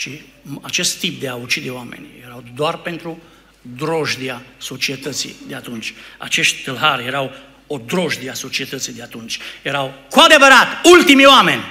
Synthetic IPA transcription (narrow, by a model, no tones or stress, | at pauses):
ʃi | at͡ʃe̞st̪ːip̚d̪eaut͡ʃid̪e̞oamḛnʲjeɾawd̪oarpe̞nt̪ɾu | d̪ɾo̞ʒd̪iaso̞t͡ʃiet̪ət̪sḭd̪eat̪unt͡ʃʲa̰t͡ʃe̞ʃt̪ʲt̪ɨlɦarje̞ɾaw | o̞d̪ɾo̞ʒd̪iaso̞t͡ʃie̞t̪ət̪sijd̪eat̪unt͡ʃʲje̞ɾawkoad̪e̞vəɾat̪ult̪imioame̞nʲ